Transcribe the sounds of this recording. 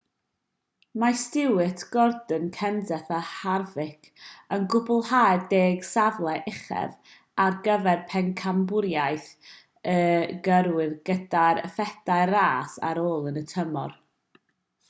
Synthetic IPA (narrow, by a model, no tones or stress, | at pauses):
mastɪwɨtʰɡ̥ɔrdənkʰɛndɛθaharvɪkʰənɡʊbʊlˠhaːjdeːɡ̥savlˠɛʔɪχɛ̰v | arɡəvɛrpʰɛnkʰambʊɾjajθ | əɡəɾwɨðɡədaɾə̰fɛd̥aɨraːsa̰ɾoːlˠənətʰəmɔ̰r